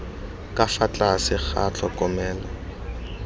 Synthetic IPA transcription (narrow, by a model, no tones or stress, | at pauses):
kʼafat͡ɬʼasɪk͡xʰa̰t͡ɬʰɔkʼɔmɛːla